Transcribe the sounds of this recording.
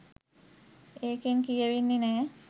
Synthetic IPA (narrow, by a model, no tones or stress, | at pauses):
eːkeŋkijəʋinːenɛː